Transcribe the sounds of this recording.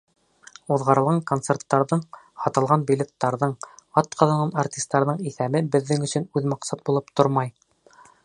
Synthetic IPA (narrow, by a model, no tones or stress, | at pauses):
uðʁɑɾɤ̆lˠʁɑŋkont̪sert̪ːɑɾðɤɴ | hɑt̪ɤ̆lˠʁɑnbilʲet̪ːɑɾðɤɴɑt̪qʰɑðɑnɑnart̪ʲist̪ːɑɾðɤɴiθæβɘbɘ̆ðːɘŋɵ̆sɵ̆nʉðmɑqsɑt̪̚bulˠɤp̚t̪oɾmɑj